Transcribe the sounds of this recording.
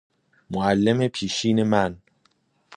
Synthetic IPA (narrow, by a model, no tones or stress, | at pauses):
moælːemepʰiːʃiːne̞mæn